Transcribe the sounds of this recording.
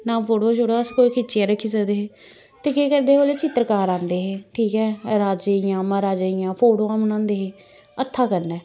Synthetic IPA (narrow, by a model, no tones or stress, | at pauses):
nãːpʰoːʈõːʃʊɽãːskoːiːkʰɪːt͡ʃːãːɾəkʰːiːsəkd̪eːɦeː | t̪eːkeːkəɾd̪eːɦoːleːt͡ʃɪt̪ːɾəkaːɾãːnd̪eːɦẽːʈʰiːkɛːɾaːd͡ʒeːjãːmaːɾaːd͡ʒeːɪjãːpʰoːʈoːãːmnãːnd̪eːɦẽː | ət̪ʰːaːkəɾnɛː